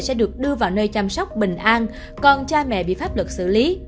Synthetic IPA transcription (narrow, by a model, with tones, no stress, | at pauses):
sɛ̰˧˥ɗɨ˨˩ək̚ɗɨ˧əvaː˨˩wnəː˧jt͡ɕa˧msa˦˥wk͡p̚ɓï˨˩ŋ̟ʔaː˧n | kɔ˨˩nt͡ɕaː˧mɛ̰˧˨ɓḭ˧˨faː˦˥p̚lə˨˩k̚sɨ̰˧˨li˨˦